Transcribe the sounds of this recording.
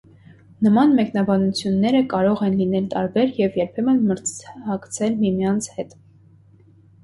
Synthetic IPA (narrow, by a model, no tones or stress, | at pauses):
nəmɑnmɛknɑbɑnut͡sʰjunːɛɾəkɑɾɔʁɛnlinɛlt̪ɑɾbɛɾjɛvjɛɾpʰɛmənməɾt͡shɑkt͡sʰɛlmimjɑnt͡sʰhɛt̪